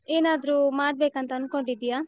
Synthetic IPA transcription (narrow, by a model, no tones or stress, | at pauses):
eːnaːd̪ɐɾuːmaːɽbeːkɐnt̪ɐːnko̞ɳɖid̪ːijaː